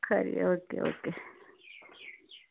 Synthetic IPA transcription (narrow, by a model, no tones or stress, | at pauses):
kʰaɾḭokeo̰ke